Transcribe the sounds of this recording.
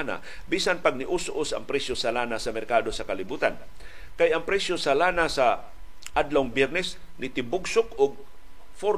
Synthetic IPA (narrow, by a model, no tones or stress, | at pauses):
na̰ | biːsanpaɡ̚nɪʔuːsʔʊsɐ̰ŋpɾɛsjosalaːnasɐmɛɾkaːd̪osɐkɐlɪbuːt̪an | kajɐŋpɾɛsjosalaːnasa | ʔad̪lawŋbjɛɾnɛs | nɪt̪ɪbʊɡsʊkʊɡ̚ | foɾ